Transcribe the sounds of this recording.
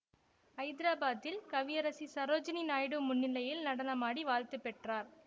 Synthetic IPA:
ɐɪd̪ɪɾaːbaːðɪlkɐʋɪjɐɾɐsisɐɾoːd͡ʒɐninaːjɽɯmʊnːɪlːɐjɪlnɐɽɐnɐmaːɽiʋaːlt̪ɯpːɛʈraːɾ

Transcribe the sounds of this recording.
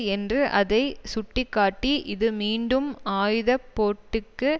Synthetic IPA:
ɛndrɯʔɐðɐɪsʊʈːɪkːaːʈːiʔɪðɯmiːɳɖɯmaːjðɐpːoːʈːɯkːɯ

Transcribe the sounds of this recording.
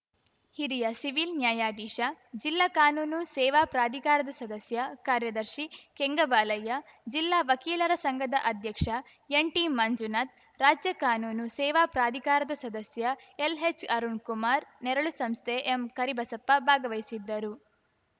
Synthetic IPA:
hiɾijɐsiʋilnjaːjaːd̪iːʃɐd͡ʒilːakaːnuːnusɛːʋaːpɾaːd̪ʱikaːɾɐd̪ɐsɐd̪ɐsjɐkaːɾjɐd̪ɐɾʃikeŋɡɐbaːlɐjɐ | d͡ʒilːaːʋɐkiːlɐɾɐsɐŋɡʱɐd̪ɐʔɐd̪ʱjɐkʂɐ | eɳʈiːmːɐnd͡ʒunɐt̪̚ | ɾaːd͡ʒjɐkaːnuːnusɛːʋaːpɾaːd̪ʱikaːɾɐd̪ɐsɐd̪ɐsjɐ | elɦet͡ʃɐɾuɳkumaːɾnɛɾɐɭusɐmst̪ʰeʔemkɐɾibʱɐsɐpːɐbʱaːɡɐʋɐjsid̪ːɐɾu

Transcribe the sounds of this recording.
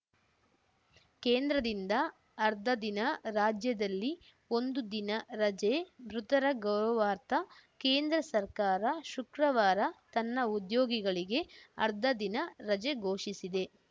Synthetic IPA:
keːnd̪ɾɐd̪ind̪ɐː | ɾd̪ʱɐd̪inɐɾaːd͡ʒjɐd̪ɐlːi | o̞nd̪ud̪inɐɾɐd͡ʒebɾut̪ɐɾɐɡɐwɾɐʋaːɾt̪ɐkeːnd̪ɾɐsɐɾkaːɾɐʃukɾɐʋaːɾɐt̪ɐnːɐud̪joːɡiɡɐɭiɡe̞ɐ̰ɾd̪ʱɐd̪inɐɾɐd͡ʒe̞ɡo̞ːʃisid̪e̞

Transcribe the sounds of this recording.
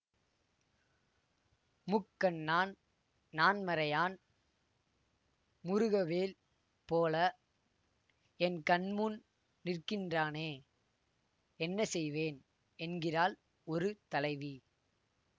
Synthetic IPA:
mʊkːɐnːaːn | naːnmɐɾɐjaːn | mʊɾɯɣɐʋeːl | poːlɐ | ɛnkɐɳmuːn | nɪrkɪndraːneː | ɛnːɐsɛjʋeːn | ɛnɡɪɾaːl | ɔɾɯt̪ɐlɐɪʋi

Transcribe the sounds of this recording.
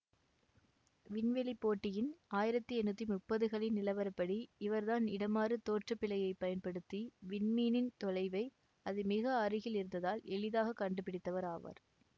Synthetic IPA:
ʋɪnʋɛlipːoːʈːɪjɪnaːjɪɾɐt̪ːɯɛnːɐt̪ːimʊpːɐðɯɣɐɭɪnnɪlɐʋɐɾɐpːɐɽiɪʋɐɾðaːnɪɽɐmaːrɯt̪oːʈrɐpːɪlɐjɐɪpːɐjɐnpɐɽɯt̪ːiʋɪɳmiːnɪnt̪ɔlɐɪʋɐɪ | ɐðɯmɪɣɐɐrɯɣɪlɪɾɯnd̪ɐðaːlɛɭɪðaːɣɐkɐɳɖɯpːɪɽɪt̪ːɐʋɐɾaːʋɐ̰ɾ

